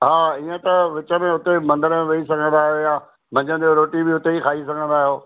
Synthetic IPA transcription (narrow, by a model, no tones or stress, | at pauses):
ɦaːiːə̃t̪ɐʋɪt͡ɕəmẽɦʊt̪emɐ̃nd̪əɾmẽʋɐisɐɡʱə̃nd̪aːɦɪjoːjaː | mɐ̃ɲd͡ʑə̃n̆oɾoːʈibɪɦʊt̪eixʰaːis̬ɐɡʱə̃nd̪aːɦijoː